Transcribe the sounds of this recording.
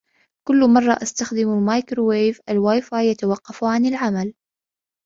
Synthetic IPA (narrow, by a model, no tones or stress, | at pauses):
kʊlːmɑrˤːɑʔast̪axd̪ɪmmaːjkɾwejvʔalwaːjfaːjjat̪awɑqːɑfʕanɪlʕamal